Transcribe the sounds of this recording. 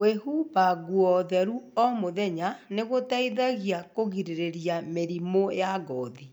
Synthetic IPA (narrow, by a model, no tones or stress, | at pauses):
wehubaɣuɔðɛɾuɔmoðɛɲaneɣotaiðaɣiakoɣiɾeɾeɾiameɾimojaɣɔði